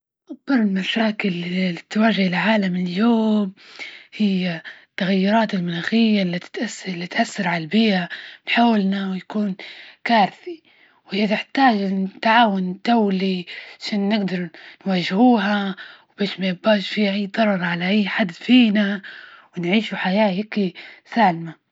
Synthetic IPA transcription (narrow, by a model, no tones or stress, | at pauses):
ʔak̚bɑɾˤɪlmaʃaːkɪlt̪ːwaːʒahɪlʕaːlamɪljoːmhɪjːat̪ːaɣajːʊɾˤɑːt̪ɪlmʊnaːxɪjːalːit̪t̪ʔaslːit̪ʔaθːɑɾˤʕalbɪːanħaːwɪlnawjakuːnkaːɾθi | whɪjːat̪ɪħt̪aːd͡ʒt̪ːaʕaːwʊnt̪awliʕaʃaːnːɪɡd̪ɑɾˤnwaːʒhuːɦawbeːʃmajabːaːʃfiːhaʔajːd̪ˤɑɾˤɑɾˤʕalaʔajːħad̪ːfiːnawɪnʕiːʃuħajaːjɪkisaːlma